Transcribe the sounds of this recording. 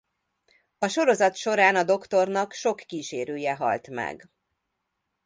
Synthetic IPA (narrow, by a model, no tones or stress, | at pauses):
ɒʃo̞ɾo̞zɒt̪ʃo̞ɾaːnɒd̪o̞kt̪o̞rnɒkʃo̞kːiːʃeːɾøːjɛɦɒ̰lt̪mɛ̰ɡ